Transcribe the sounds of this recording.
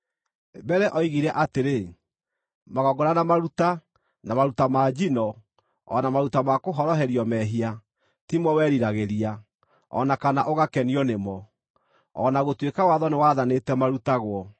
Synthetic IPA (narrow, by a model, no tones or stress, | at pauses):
bɛɾɛʔɔiɣiɾɛʔateɾe | maɣɔɡoɾanamaɾuta | namaɾutamaːd͡ʒinɔ | ɔ̰namaɾutamakoɦɔɾɔɦɛɾiɔmɛɦia | timɔwɛːɾiɾaɣeɾia | ɔ̰nakanaʔoɣakɛniɔnemɔ | ɔ̰naɣotwekawaðɔnewaðanetɛmaɾutaɣwɔ